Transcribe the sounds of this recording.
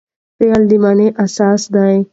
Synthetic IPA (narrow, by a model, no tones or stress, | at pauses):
peəld̪imaːnẽʔɐsaːsd̪aːẽː